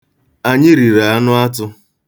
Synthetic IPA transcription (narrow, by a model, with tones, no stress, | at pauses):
a˦ɲɪ˦ɾi˨ɾa˨a˦nʊ˦a˦tʊ˦